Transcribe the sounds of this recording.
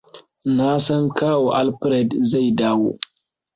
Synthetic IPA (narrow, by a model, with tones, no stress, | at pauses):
na˦sɐ˦ŋkʰaː˦wo˨ʔa˦lpɾe˨dza˦˨jdaː˦wo̰˦